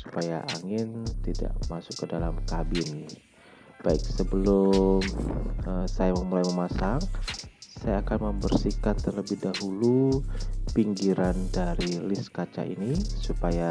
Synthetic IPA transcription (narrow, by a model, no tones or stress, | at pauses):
su̥pajaʔaŋɪnt̪ida̰ʔmasʊkːədalamkabɪn | b̥aɪk̚səbəlʊməsajaməmulajməmasaŋsajaːkanməmbərsikat̪ːərləbɪhdaɦulu | piŋɡiɾandaɾilɪskat͡ʃa̰ʔḭnisupaja